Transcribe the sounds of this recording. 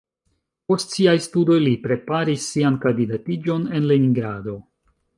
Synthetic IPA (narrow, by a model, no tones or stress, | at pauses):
po̞stsiajstudo̞jlipɾe̞paɾisːiankandidatid͡ʒo̞ne̞nleniŋɡɾado̞